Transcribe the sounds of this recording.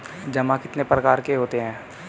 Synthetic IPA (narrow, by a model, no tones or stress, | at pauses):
d͡ʒɐmãkɪt̪nepɾɐkaːɾkeɦoːt̪eɦɛ̃ː